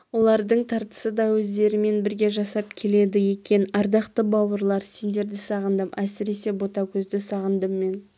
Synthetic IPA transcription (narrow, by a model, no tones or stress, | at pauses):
wo̞lˠɑɾd̪əɴt̪ʰɑɾt̪ə̥səd̪ɑwɵzd̪e̞ɾɪme̞nbɪɾɡʲe̞ʒɑsɑp̚kʲʰe̞le̞d̪ɪjekʲe̞nɑɾd̪ɑqt̪əbɑwəɾlˠɑɾse̞nd̪e̞ɾd̪ɪsɑʁənd̪əmæsɪɾe̞se̞bo̞t̪ɑkʲʰɵzd̪ɪsɑʁənd̪əmːe̞n